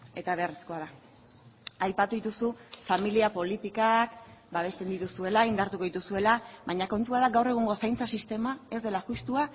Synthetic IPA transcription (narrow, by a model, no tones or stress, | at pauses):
e̞t̪aβe̞resko̞aða | ajpat̪uðit̪usufamiliapo̞lit̪ikakbaβ̞e̞st̪e̞nd̪it̪usue̞laind̪aɾt̪uko̞it̪usue̞laβaɲako̞nt̪uað̞aɡawre̞ɣ̞uŋɡo̞sajnt͡sasist̪e̞mae̞zd̪e̞laxust̪ua